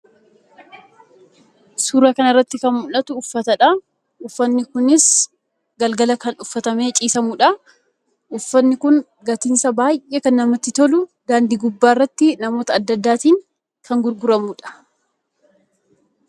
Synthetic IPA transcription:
suːɾɐkɐnɪrːɐt̪ːɪkɐnmʊlɐt̪ʊːfːɐt̪ɐᶑɐ | ʔʊfːɐnːɪkʊnɪs | ɡɐlɡɐlɐkɐnʊfːɐt̪ɐme̞ːt͡ʃʼiːsɐmuːᶑɐ | ʔʊfːɐnːɪkʊŋ | ɡɐt̪ɪnsɐbaːjʔeːkɐnːɐmɐt̪ːɪt̪ɔlʊd̪aːnd̪iːɡʊbːaːɪrːɐt̪ːɪnɐmo̞ːt̪ɐːd̪ːɐd̪ːaːt̪iːŋ | kʰɐŋɡʊɾɡʊɾɐmuːᶑɐ̥

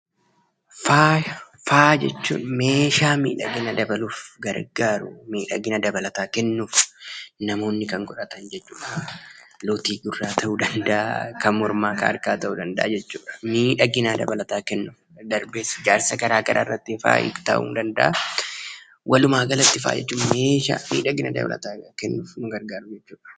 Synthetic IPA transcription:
faːj | faːd͡ʒɛ̰t͡ʃːṵːnme̞ːʃaːmḭːᶑɐ̰ɡɪnɐd̪ɐbɐluːfɡɐɾɡaːɾʊ̰miːᶑɐɡɪnɐd̪ɐbɐlɐt̪aːkɛnːuːfnɐmo̞ːnːɪkɐŋkʼʊᶑɐt̪ɐnd͡ʒɛt͡ʃːṵːᶑɐlot̪iːɡʊrːaːt̪ʰɐʔuːd̪ɐnd̪ɐʔa̰kɐmmɔɾmaːkɐɐ̰ɾkaːt̪ɐʔuːd̪ɐnd̪ɐ̰ʔa̰d͡ʒɛt͡ʃːṵːᶑɐ̥miːᶑɐɡɪnɐd̪ɐbɐlɐt̪aːkɛnːuf | d̪ɐɾbeːsɪd͡ʒaːɾsɐkɐɾaːkɐɾʔa̰ːrːɐt̪ːɪfa̰ːʔɪ̰t̪ɐ̰ʔṵːnd̪ɐnd̪ɐʔa | wʔɐlʊmaːɡɐlɐt̪ːɪfa̰ːd͡ʒɛ̰t͡ʃːuːme̞ːʃa̰miːᶑɐɡɪnɐd̪ɐ̰bɐ̰lɐ̰t̪aːkɛnːuːfnʊɡɐɾɡaːɾʊd͡ʒɛt͡ʃːuːᶑɐ̥

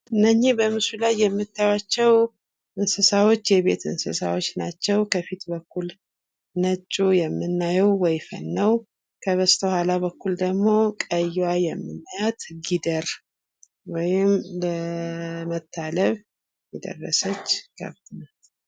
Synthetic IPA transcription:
ʔɨnːəɲːibəmɨsulajːɛmːɨt̪ːajwat͡ʃːɛw | ʔɨnsɨsawo̞t͡ʃːjɛβe̞̰t̪ɨ̰nsɨ̰sa̰wot͡ʃːnat͡ʃːɛwkʰəfit̪bəkʰːul | nət͡ʃʼːujɛmːɨnːajɛwːɔjfə̰nːəw | kʰəβəst̪ʰəhʷalabəkːuld̪əɡmo̞kʼəjwajɛmːɨnːəjat̪ɡid̪əɾ | wɔjɪmlə | mət̪ʰːaləβ | jɛd̪ə̰rːə̰sət͡ʃːɡ̥a̰βt̪ʰɨnal

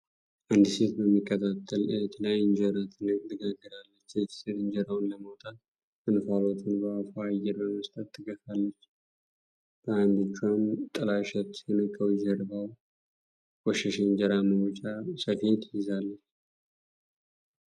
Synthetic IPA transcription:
ʔand̪ɨse̞t̪bəmːikʼːət̪ʰat̪ʰʼːəlet̪ʰlajɨnd͡ʒəɾat̪ʰɨnəkʼt̪ɨɡaɡːəɾalːət͡ʃːet̪set̪ɨɲd͡ʒəɾawnləməwt̪ʼat̪̚ | ɨnfalot̪ʰɨnbəafaajːɛɾbəməst̪ʼət̪ːɨɡəfalːət͡ʃː | b̥əand̪ɨt͡ʃːuant̪ʼəlaʃɛt̪ːjɛnəkʼːəwɛzəɾbaw | wɔʃɛʃend͡ʒəɾaməwɔt͡ʃʼasəfe̞t̪jɪzalːət͡ʃː

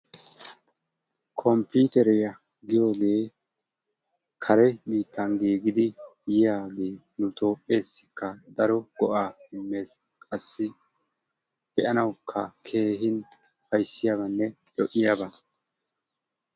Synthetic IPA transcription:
kʰɔmpiːt̪ɛɾɛjɐ | ɡɪjo̞ːɡe̞ː | kʰɐɾɛbiːt̪ːɐnɡiːɡɪd̪ɪjɪjaːɡe̞ː | nʊt̪ʰʼo̞ːpʼːe̞ːsːɪ̥kːɐd̪ɐɾɔɡ̥ɔʔaːɪmːe̞ːs | kʼɐsːɪ | b̥ɛʔɐnɐwkʰːɐkʰe̞ːɦɪn | pɐjsːɪjabɐnːɛjɔʔɪjaːbɐ

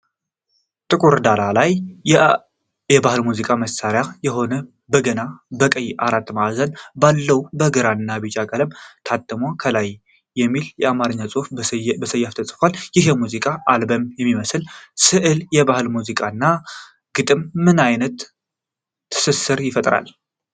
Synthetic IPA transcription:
t̪ʼɨkʼuɾd̪alalaj | jɛbahɨlmuzikʼaməsaɾjajɛɦo̞nə | bəɡənabəkʼəjʔaɾat̪ːmaʔazənbalːəwbəɡɨɾanːabit͡ʃʼakʼələmt̪ʰat̪ʼːəmokʰəlajː | ɛmːiljɛamaɾɨɲːasʼufbəsəjːaft̪ʰəsʼfaljɪhjɛmuzikʼaʔalbəmjɛmːiməsɨlsɨʔɨljɛbahɨlmuzikʼaɨnːa | ɡ̥ɨt̪ʼɨmːɨnajnət̪ː | ɨ̥sɨsɨɾjɪfət̪ʼɾa̰l

